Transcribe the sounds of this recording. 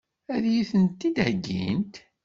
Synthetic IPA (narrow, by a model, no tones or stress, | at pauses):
æðjiθənt̪ːid̪həɡːḭnt̪